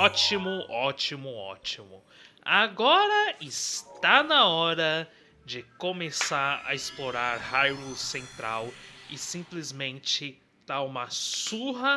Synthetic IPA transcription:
ɔt͡ʃimʊɔt͡ʃimʊɔ̰t͡ʃimʊ | aɡɔɾɐɪst̪anɐɔɾɐ | d͡ʒɪkomesaɾɐ̰ɪsploɾaɾhajusẽnt̪ɾawɪsĩplɪzmẽnt͡ʃɪ | t̪aũmɐsuɦɐ

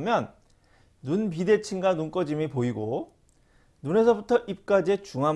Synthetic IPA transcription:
mjʌnː | unp̬ide̞t͡ɕʰinɡanunk͈ʌd͡ʑimipoiɡo | nune̞s̬ʰʌbutʰʌʔip̚k͈ad͡ʑiet͡ɕuŋɦa

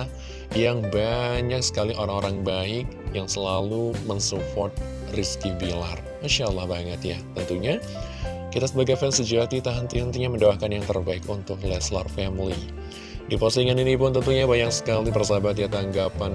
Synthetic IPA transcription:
jaŋbaɲaksə̥kaliʔoɾaŋoɾaŋbaɪk̚jaŋsəlalumənsupɔrt̪̚ | riskibilar | anʃalːahbaŋət̪ja̰t̪ənt̪uɲa | kit̪asəbaɡafɛnsəd͡ʒat̪it̪aɦənt̪iɦənt̪iɲaməndaahkanjaŋt̪ə̰rbaɪkunt̪ʊklɛsla̰rfɛmlḭ | dipɔsiŋaninipʊnt̪ənt̪uɲabaɲaksə̥kalipərsabat̪̬jat̪aŋɡapan

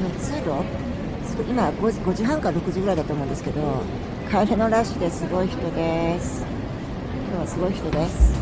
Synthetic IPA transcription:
not͡sɨːd̪o̞ | soɡoʔimaɡo̞ɡo̞ʑɨːɦãŋkaɾaɾo̞kɯ̟ʑiɡɯɾaid̪at̪oːmõd̪esɨ̥ke̞d̪o̞ | kʰaiɾeno̞ɾaɕɨd̪esɨɡo̞içi̥t̪o̞d̪e̞sɨ̥ | kʲo̞ːβasɨɡo̞içi̥t̪o̞d̪e̞sɨ̥

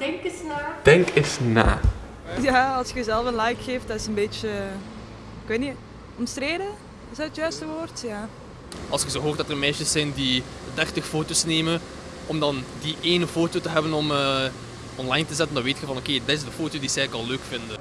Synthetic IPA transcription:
d̥ɛŋkɪsnad̥ɛŋkɪsna̰ː | jaːɑlˠsxəzɛlˠfənlɛjkxeːft̚dɑtɪsənbeːt͡ʃə | ɪkweːtni | ɔmstɾeːdə | ɪsətjœɥstəʋoːrtjaː | ɑlˠsxəzoːɦoːrtdɑtərmɛːsəsːɛjndi | dɛrtəxfoːtoːsneːmən | ɔmdɑndiʔeːnəfoːtoːtəɦɛbənɔməː | ɔnlɑjntəzɛtəndɑnʋeːtxəvɑnokeːdɪtɪsdəfoːtoːdisɛjləkɑlˠløːkfɪndə

